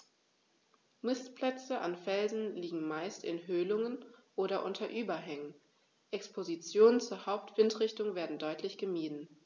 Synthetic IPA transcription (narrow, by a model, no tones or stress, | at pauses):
mɪstpl̥ɛt͡səʔa̰nfɛlzn̩liːɡŋ̩maɪstɪnɦøːlʊŋənʔoːɾɐʔʊntʰɐʔyːbɐɦɛŋən | ʔɛkspʰozit͡sjoːnənt͡suːɐhaʊp̚tv̥ɪntʁ̥ɪçtʊŋveːɐdn̩dɔʏtʰlɪçɡ̥əmiːdn̩